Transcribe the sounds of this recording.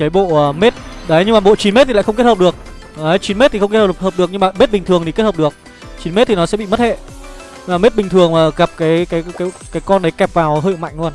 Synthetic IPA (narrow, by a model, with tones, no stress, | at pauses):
kəː˨˦jɓo̰˧˨əː˨˩me˦˥t̚ɗə˨˦jɲɨ˧ŋmaː˨˩ɓo̰˧˨t͡ɕi˨˦nme˦˥t̪̚ʰi˨˩a̰˧˨˩xə˧wŋ͡m̬e˦˥həː˨˩ɗɨ˨˩ək̚ | ə˨˦jt͡ɕi˨˦nme˦˥t̪i˨xə˧wŋ͡mkthə˨˩hə˨˩ɗɨ˨˩ək̚ɲɨ˧maː˨˩me˦˥t̚ɓï˨˩ŋt̪ʰɨ˨˩əŋt̪ʰi˨˩kthəː˨˩pɗɨ˨˩ək̚ | t͡ɕi˨˦nme˦˥t̪̚i˨nɔ˨˦sɛ̰˧˥ɓḭ˧˨mə˦˥t̚hḛ˧˨ | ɲ˧maː˨˩me˦˥t̚ɓï˨˩ŋ̟t̪ʰɨ˨˩əŋmaː˨˩ɣa˨˩p̚kaː˨˦jkaː˨˦jkaː˨˦jkaː˨˦jkɔ˧nɗə˨˦jkɛ˨˩p̚vaː˨˩wɦəː˧˨˩ma̰˧˨jŋ̟lu˧ən